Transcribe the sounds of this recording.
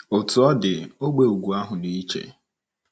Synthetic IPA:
o˨tʊ˨ɔ˦dɪ˨o˦ɡ͡be˨u˨ɡʷu˨a˦ɦʊ˨ni˦i˦t͡ʃḛ˨

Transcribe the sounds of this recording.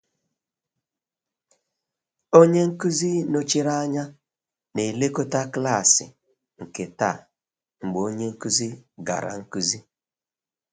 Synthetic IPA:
o˦ɲe˦ŋ̩˦ku˦zi˦no˦t͡ʃi˦ɾa˦ɲa˦ | ne˨le˦ko˦ta˦kla˦˨sɪ̰˨ | ŋ̩˨ke˨ta˦˨ | ŋ͡m̩˨ɡ͡bo˦ɲe˦ŋ̩˦ku˦zi˦ɡa̰˨ɾa̰˨ŋ̩˦ku˦zi˦

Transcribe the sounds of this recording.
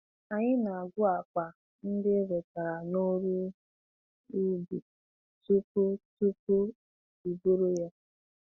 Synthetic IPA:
a˨ɲɪ˦na˨a˨ɡʷʊ˦a˨k͡pʷa˨ | n̩˦dɪ˦ɾe˨ta˨ɾa˨no˦ɾu˦ | i˦bi˨ | tu˦pu˦tu˦pu˦ | i˨bu˦ɾu˦ja˦

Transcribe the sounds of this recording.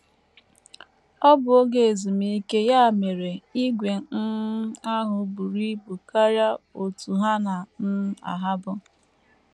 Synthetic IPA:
ɔ˦bʊ˨o˦ɡe˨e˨zi˨mi˦i˦ke˦ja˦a˨me˨ɾe˨i˦ɡʷe˨˦a˦ɦʊ˨bu˨ɾi˦bu˨ka˦ɾja˦o˨tu˨ɦa˦na˨m̩˦a̰˨ɦa˦bʊ˦

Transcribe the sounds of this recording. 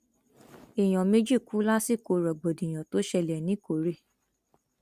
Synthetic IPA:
e˨j̃ɔ̃˨me˦d͡ʒi˦˨ku˦la˦si˦˨ko˧ɾɔ˨ɡ͡bo˨dĩ˨j̃ɔ̃˨to˨˦ʃɛ˧lɛ˨nĩ˨˦ko˨ɾe˦˨

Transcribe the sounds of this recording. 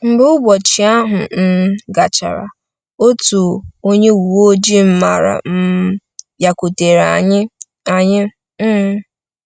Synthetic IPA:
m̩˦bʊ˦ʊ˦ɡʷɔ˨t͡ʃi˨a˦ɦʊ˨n̩˦ɡa˨t͡ʃa̰˨ɾa̰˨ | o˦tu˨o˦ɲe˦wu˨o˦d͡ʒi˦m̩˦ma˨ɾa̰˨m̩˦ | ja˨ku˨te˨ɾa˨ɲɪ˦ | a˨ɲɪ˦

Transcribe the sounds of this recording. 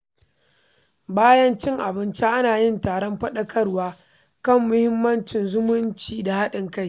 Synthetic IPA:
baː˦jɐ˦nt͡ʃɪ˦ŋʔa˨bɪ˦nt͡ʃa˦ʔa˦naː˨jɪ˦ntaː˨ɽɔ˦mɸɐ˦ɗɐ˦kʰɐ˦rwaː˦ | kɐ˦˨mːʊ˦hɪ˦mːɐ˦nt͡ʃɪ˨nzʊ˦mʊ˦nt͡ʃiː˨da˨ha˦ɗɪ˨ŋka˦˨j

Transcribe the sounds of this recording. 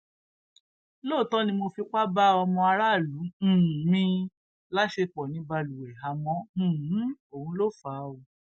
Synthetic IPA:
loː˦˨tɔ̃˦nĩ˧mo˧fi˧k͡pa˦ba˦ɔ˧mɔ̃˧a˧ɾa˦˨lũ˨˦˨mĩ˧ | la˦ʃe˧k͡pɔ˨nĩ˨˦ba˧lu˨wɛ˨ɦa˧mɔ̃˨˦˨o˨ũ˧˦lo˦˨faː˨˦o˨

